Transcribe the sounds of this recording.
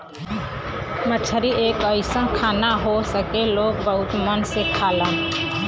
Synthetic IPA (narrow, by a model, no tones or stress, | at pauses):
mət͡ʃʰəɾiʔeːkəɪsə̃kʰaːnaɦosəkeloːɡ̚bəɦʊt̪mənsekʰaːlə̃